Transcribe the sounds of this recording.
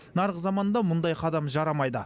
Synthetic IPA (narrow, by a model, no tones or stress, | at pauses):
nɑɾəqzɑmɑnd̪ɑmʊnd̪ɑjqʰɑd̪ɑmʒɑɾɑmɑjd̪ə